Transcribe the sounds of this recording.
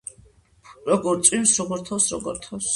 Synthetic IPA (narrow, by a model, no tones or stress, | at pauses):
ɾɔɡɔɾt̪sʼwĩnsɾɔɡɔɾt̪ʰɔwsɾɔ̰ɡɔ̰ɾt̪ʰɔws